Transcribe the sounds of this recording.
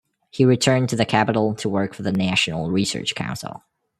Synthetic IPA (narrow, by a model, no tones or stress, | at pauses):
hiɹɨtʰɜ̃˞ntʰɨðɨkʰæpəɾl̩ˠtʰəwɜ˞kfə˞ðɨnæʃn̩l̩ˠɹisɜ̰˞t͡ʃkʰã̰ʊ̃nsl̩ˠ